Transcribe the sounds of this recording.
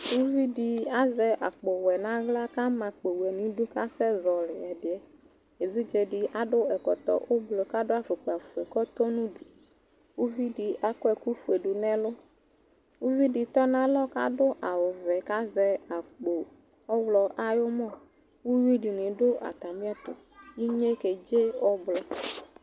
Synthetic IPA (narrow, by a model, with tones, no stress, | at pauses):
wu˦vi˦ɖi˨a˦zɛ˨ʔa˨k͡po˨wɛ˨nã˦ɣla˦ka˦mã˨k͡pe˨wɛ˨nĩ˨ɖʊ˦ka˦sɛ˦zɔ˨lɪ˨ɛ˨ɖɪ˨ɛ˨ | e˨vi˦d͡ʒɛ˨ɖɪ˨ʔa˦ɖʊ˦ɛ˨kɔ˨t̪ɔ̰˨ʔʊ˦blo˨ka˦ɖʊ˦a˨fe˨k͡pa˨fu˨ɛ˨kɔ˦t̪ɔ˦nũ˦du˨ | wu˦vi˦di˨a˦kɔ˦ɛ˨ku˦fu˨e˨ɖu˨nɛ̃˦lʊ˦ | wu˦vi˦ɖi˨t̪ɔ˦nã˦lɔ˦ka˦ɖʊ˦ʔa˨wʊ˨vɛ˨ka˦zɛ˦a˨k͡po˨ | ɔ˦wlɔ˨ʔa˦jʊ˦mɔ̃˦˨ | wu˦wi˦ɖi˨nɪ̃˨ɖʊ˦ʔa̰˨t̪a˨mĩ˦a˦t̪ʊ̰˨ | ji˦ɲe˦ke˨d͡ʒe˦ɔ˦blɔ˨